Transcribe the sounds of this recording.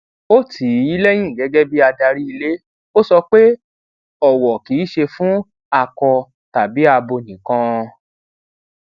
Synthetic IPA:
o˦ti˨˦i˦lɛ˦j̃ĩ˦˨ɡɛ˨˦ɡɛ˦bi˦a˧da˧ɾi˦i˧le˦ | o˦sɔ˧k͡pe˦ | ɔ˨wɔ˨ki˨˦ʃe˧fũ˦ | a˦˨kɔ˧ | ta˨bi˨˦a˧bo˧˨nĩ˨kã˦˧

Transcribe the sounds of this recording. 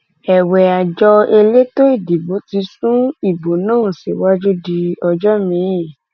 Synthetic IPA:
ɛ˨wɛ˨a˨d͡ʒɔ˧e˧le˦to˦i˦˨di˨bo˨˦ti˧sũ˦i˦˨bo˨˦nãː˦˨si˨wa˦d͡ʒu˦di˧ɔ˧d͡ʒɔ˦mĩ˨˦jĩ˦˨

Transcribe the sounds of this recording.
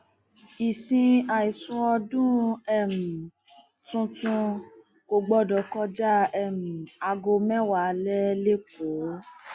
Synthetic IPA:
i˨sĩ˧a˨i˨sũ˧ɔ˧dũ˦ɛ˦˨m̩˨ | tũ˧tũ˧ | ko˧ɡ͡bɔ˦dɔ˨kɔ˦d͡ʒa˦ɛ˦˨m̩̃˨a˧ɡo˧mɛ̃˦wa˨˦lɛ˦le˦ko˨˦

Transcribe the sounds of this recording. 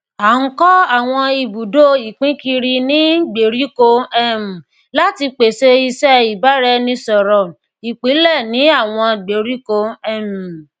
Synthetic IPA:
a˨ŋ̩˦kɔ˦a˦˨w̃ɔ̃˧i˧bu˨do˦i˨k͡pĩ˨˦ki˧ɾi˧nĩ˦ɡ͡be˨ɾi˨˦ko˧ɛ˦m̩̃˨ | la˦ti˧k͡pe˨se˧i˧sɛ˦i˨ba˨˦ɾɛ˧nĩ˦sɔ˨ɾɔ˨ | i˨k͡pi˨˦lɛ˦˨nĩ˨˦a˦˨w̃ɔ̃˧ɡ͡be˨ɾi˦ko˧ɛ˦˨mĩ˨

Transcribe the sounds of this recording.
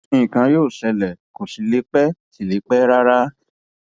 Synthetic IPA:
ĩ˧ĩ˨kã˧joː˦˨sɛ˧lɛ˨ko˨si˨˦le˨˦k͡pɛ˦si˨le˨˦k͡pɛ˦ɾa˦ɾa˦

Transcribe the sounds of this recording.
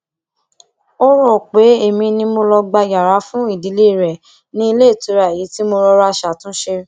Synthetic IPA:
o˦ɾɔ˦˨k͡pe˨˦e˦˨mĩ˧nĩ˧mo˧lɔ˧ɡ͡ba˧ja˨ɾa˨˦fũ˦i˦˨di˨˦le˦i˦˨ɾɛ˨ | nĩ˦i˧le˦˨to˨˧˦ɾa˨ji˨˦ti˦mo˧ɾɔ˧ɾa˧ʃa˨tũ˦ʃe˧˦

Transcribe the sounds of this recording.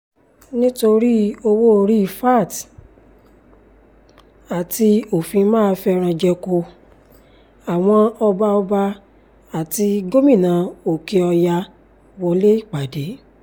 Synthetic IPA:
nĩ˦to˧ɾi˦o˧wo˦˧ɾi˦˨˧fa˦˨t | a˨ti˧o˨fĩ˧mãː˦˧fɛ˦˧ɾ̃ã˧d͡ʒɛ˧ko˧ | a˨w̃ɔ̃˧ɔ˧ba˧ɔ˧ba˧ | a˨ti˧ɡo˦mĩ˦˨nã˨˦o˨ke˧ɔ˧ja˧ | wɔ˧le˦i˦˨k͡pa˨de˨˦

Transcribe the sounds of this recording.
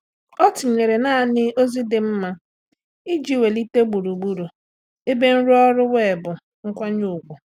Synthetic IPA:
ɔ˦tʊ˨ɲe˨ɾe˨naː˦˨nɪ˦o˦zi˦dɪ˨m̩˦ma˦ | i˦d͡ʒi˦˨we˨li˦te˦ɡ͡bu˨ɾu˨ɡ͡bu˦ɾu˨ | e˦be˦n̩˦ɾu˦ɔ˦ɾʊ˦we˦˨bʊ˨ | ŋ̩˦kʷa˦ɲ̩˦ʊ˨ɡʷʊ˨

